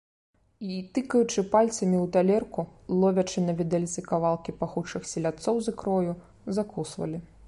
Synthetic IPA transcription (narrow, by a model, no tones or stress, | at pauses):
it̪ɨkɐjut͡ʂɨpalʲt̪sɐmʲiwt̪alʲɛrkulˠɔvʲɐt͡ʂɨnɐvʲid̪ɛlʲt̪sɨkavalˠkʲipaxut͡ʂɨxsʲɛlʲat̪sɔwzɨkɾɔju | zakusvɐ̰lʲi